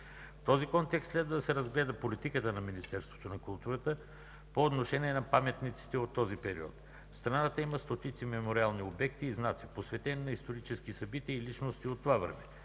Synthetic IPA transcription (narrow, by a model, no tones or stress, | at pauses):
ft̪ɔzikɔnt̪ɛksslɛd̪vɐd̪ɐsɛɾɐzɡlɛd̪əpolit̪ikət̪ənɐminist̪ɛɾst̪vo̥t̪onɐkulˠt̪uɾət̪ə | poːt̪noʃɛniɛnɐpamɛt̪nit̪si̥t̪ɛot̪ːɔzipɛɾḭɔ̰t̪ | fst̪ɾanat̪əimɐst̪ot̪it̪simɛmoɾialˠniobɛk̚t̪iːznat̪siposvɛt̪ɛnnɐist̪oɾit͡ʃɛsk̟isɐbit̪iəilit͡ʃnost̪iot̪ːovavɾɛ̰mɛ